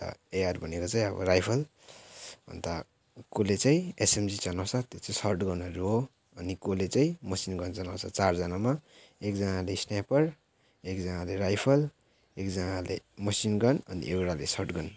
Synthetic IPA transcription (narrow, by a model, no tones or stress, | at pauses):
t̪ʌ̰ejarbʱʌnekot͡saĩʌbʌ̰ɾajpʰʌl | bʱʌ̰nt̪a | kolet͡saĩesemd͡zit͡sʌnawsʰʌt̪jot͡saĩsʌrʈɡʌnʌro | ʌnikolet͡saĩmʌsinɡʌnt͡sʌnawt͡sʰʌt͡sard͡zʌnama | ekd͡zʌnalesnapʌɾ | ekd͡zʌnaleɾajpʰʌl | ekd͡zʌnalemʌsinɡʌnʌnḭʔewɾalesʌrʈɡʌn